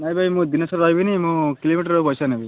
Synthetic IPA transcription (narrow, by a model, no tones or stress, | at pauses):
najbʱajmũd̪inɐsɐɾɾajbinimũkilomiʈəɾopɔjsanebi